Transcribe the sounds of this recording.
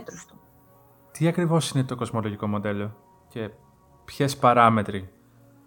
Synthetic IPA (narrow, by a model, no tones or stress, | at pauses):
t̪ost̪u̥ | t̪iɐkɾivo̞sinet̪o̞ko̞zmo̞loʝiko̞mo̞d̪e̞lo̞ | ce̞ | pçespɐɾɐme̞t̪ɾi